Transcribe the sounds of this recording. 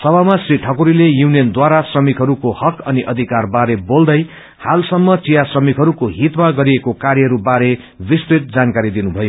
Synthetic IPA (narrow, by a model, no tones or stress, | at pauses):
sʌbamasriʈʰʌkuɾilejunijʌnd̪waɾasrʌmikɦʌɾukohʌkʌniʔʌd̪ʱikarbaɾebold̪ʌj | halsʌmːʌt͡sijasrʌmikɦʌɾukoɦit̪maɡʌɾiekokaɾjʌɦʌɾubaɾe | bist̪ɾit̪̚d͡zankaɾid̪inubʱʌjo